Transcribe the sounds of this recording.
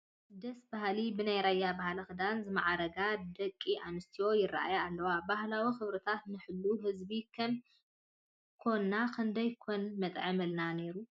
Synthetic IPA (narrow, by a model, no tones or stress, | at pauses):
d̪ɐsbahlibɨnajɾajːabahalɐxɨd̪anzɨmaʕaɾɐɡad̪ɐkʼːiʔanɨst̪ʰijo̞jɪrːa̰ʔa̰jaːlːɐwabahlawixɨβɾɨt̪ʰat̪nɨħɨlːuɦɨzbikʰɐm | kʰo̞nːakʰɨnd̪ɐjkʰo̞nmɐt̪ʼʕɐmɐlnane̞ɾu